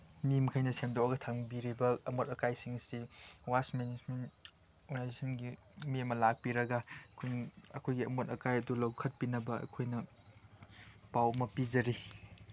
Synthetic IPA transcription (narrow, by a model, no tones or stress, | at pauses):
nimkʰɐjnɐsʰemdowɐɡɐtʰaŋbiɾibɐɐmotɐkajsiŋsiwasmenismen | ɔɡnajzesʰɐnɡi | miɐmɐlak̚piɾɐɡɐkʰunɐ̰kʰojɡiɐmotɐkajɐdulɐwkʰɐt̚pinɐbɐɐ̰kʰojnɐ | pawmɐpizɐɾi